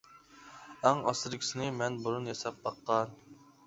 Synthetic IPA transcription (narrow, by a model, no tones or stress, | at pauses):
æŋɑ̰sɪɾɪkʲi̥sɪnɪmɛnbuɾunjɛsɛp̚bɑqʰːɑn